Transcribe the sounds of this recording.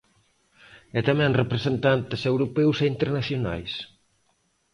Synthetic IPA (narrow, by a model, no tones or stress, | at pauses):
ɛt̪amɛ̃ŋrepɾesent̪ant̪ɪsewɾopɛwseint̪eɾnaθjona̰js